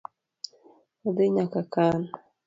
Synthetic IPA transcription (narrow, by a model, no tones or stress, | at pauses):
ɔd̪eɲakakan